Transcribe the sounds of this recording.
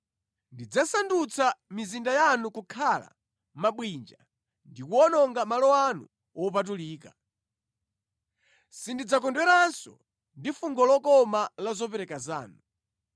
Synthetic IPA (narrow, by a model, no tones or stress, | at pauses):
ndid͡zasandut͡sʰamizindajanukukʰala̰ | maɓwind͡ʒa | ndikuɔnɔŋɡamalɔanṵ | ɔpat̬uliːka | sindid͡zakɔndwɛɾansɔ̰ | ndifuŋɡɔlɔkɔmalazɔpɛɾɛkaza̰ːnu